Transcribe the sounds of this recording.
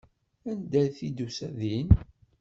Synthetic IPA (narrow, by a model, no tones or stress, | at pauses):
ænd̪æθid̪usæðin